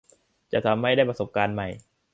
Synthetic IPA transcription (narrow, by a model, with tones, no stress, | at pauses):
t͡ɕa˨˩t̪ʰa˧˦mːa˥˩jda˥˩pɾa˧so˨˩p̚kaː˧nma˨˩j